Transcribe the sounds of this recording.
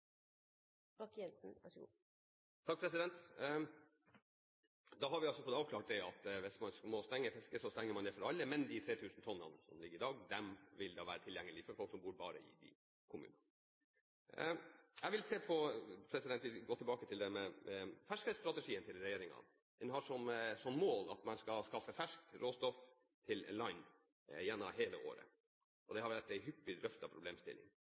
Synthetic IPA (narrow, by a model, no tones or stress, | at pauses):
bɑkːjɛnsn̩æʂɡṵː | t̪ʰɑk̚pʰɾɛsɪd̪ɛnt̪ | d̪ɑɦɑɾʋɪɑlsɔfɔt̪ːɑːʋkʰlɑːʈ̚d̪ɛɑt̪ʋɪsmɑnsmɔst̪ɛŋːəfɛskəsɔst̪ɛŋːəmɑnd̪ɛfɔɾɑlːəmɛnd̪ɪt̪ʰɾeːt̪ʰʉːsnt̪ʰɔnːə̰nsɔ̰mlɪɡːəɾɪd̪ɑːɡd̪ɛmʋɪld̪ɑːʋæ̰ːɾət̪ʰɪljɛŋːəlɪfɔɾfɔlksɔmbuːɾbɑːɾə̰ɪ̰d̪ɪ̰ | kʰʊmʉ̰ːnə | ɛʋɪlseːpʰɔpʰɾɛsɪd̪ɛnt̪ʋɪɡoːt̪ʰlbɑːkət̪ʰɪld̪ɛmɛfæʂkɛst̪ɾɑt̪ɛʂiːənt̪ʰɪlɾɛjeːɾɪŋɑ̰ | d̪ɛnɦɑʂɔmsɔmmoːlɑ̰t̪mɛnskɑskɑfːəfæʂk̪̚ɾoːst̪ɔf | t̪ʰɪl̰lɑɪn | jɛnːɑ̰ɦeːləʔo̰ːɾə̰ | ʔɔd̪ɛhɑɾʋæʈːæɪɦʏpːɪd̪ɾœft̪ɑpʰɾʊbleːmst̪ɪ̰lːɪ̰ŋ